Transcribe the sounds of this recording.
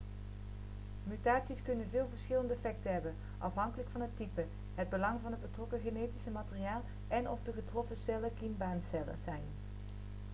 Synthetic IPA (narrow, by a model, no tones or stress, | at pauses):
mytaːtsiskɵnənvɪːlˠvəɹsχɪləndəfɛk̚təɦɛbən | ʔɑfɦɑŋkələkfɑnɦətːipə | ɦəd̚bəlɑŋvɑnɦəd̚bətrɔkəχenejtisəmaːtəriaːlˠ | ʔɛnɔfdəχətrɔfəsɛləkinbaːnsɛlə̰zɛjn